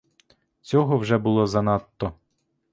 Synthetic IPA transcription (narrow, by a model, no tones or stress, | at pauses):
t͡sʲɔɦɔwʒɛbʊlˠɔzɐnɑt̪ːɔ